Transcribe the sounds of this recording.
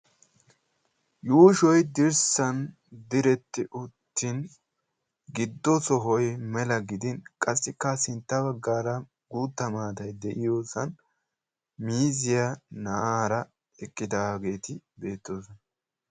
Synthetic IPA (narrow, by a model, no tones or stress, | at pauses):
juːʃɔjd̪ɪɾsɐn | d̪ɪɾɛt̪ːɪʔʊt̪ːɪn | ɡɪd̪ːɔsɔɦɔjmɛlɐɡɪd̪ɪnkʼɐsːɪkːɐsɪnt̪ːɐbɐɡːaːɾɐ | ɡuːt̪ːɐmaːd̪ɐjd̪ɛʔɪjoːsɐn | miːzɪjanɐʔaːɾɐ | ɛkʼːɪd̪aːɡe̞ːt̪ɪbe̞ːt̪ːoːs̬ɔnɐ